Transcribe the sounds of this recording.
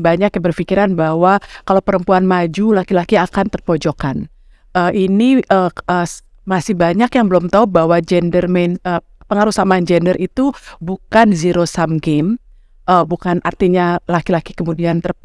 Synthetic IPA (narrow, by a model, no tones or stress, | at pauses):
baɲakjabərfikiɾanbahwakalawpəɾəmpuanmad͡ʒulakilakiakant̪ərpod͡ʒokan | əʔiniʔəə | masɪhbaɲakjaŋbəlɔmt̪aubaɦwad͡ʒɛndərmɛnə | pəŋaɾusamand͡ʒɛndərʔit̪ubukanziɾosamɡɛm | ʔəbukanʔa̰rt̪iɲalakilakikəmudiant̪ər